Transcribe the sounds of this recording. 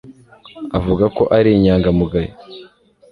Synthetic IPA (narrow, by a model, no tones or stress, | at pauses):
avuɡako̞ʔaɾiɲaːŋɡamuɡaji